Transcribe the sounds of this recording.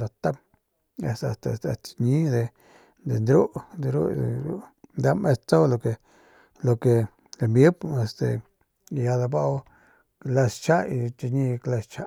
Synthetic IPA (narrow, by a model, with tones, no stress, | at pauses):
d̪a˨t̪a˦m | ḛ˧st̪a̰˨st̪a˧˨st̪a̰˧t͡ʃi̥˧ɲi˦d̪e˨ | d̪ḛ˨nd̪ɾu˦d̪eɾṵ˦ḛ˨ɾṵ˦nd̪a˦mʔe˧stt͡sa˦wlo˧ke˧ | lo˧ke˧ | e˧mbji˦be˧st̪ḛ˨˧˨ | ja˧d̪a˧ba˦˧w | kla˧st͡ʃa˦i˧t͡ʃi˧ɲi˦˧kla˧st͡ʃa˦